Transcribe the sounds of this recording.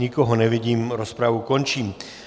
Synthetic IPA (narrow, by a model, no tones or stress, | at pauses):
ikɔɦɔnɛʋiɟiːmɾɔspɾaʋukɔnt͡ʃiːm